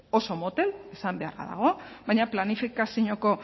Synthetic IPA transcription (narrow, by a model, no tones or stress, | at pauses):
o̞so̞mot̪e̞lesambe̞a̰ra̰ða̰ɣ̞o̞βajɲaplanifikasiɲoko̞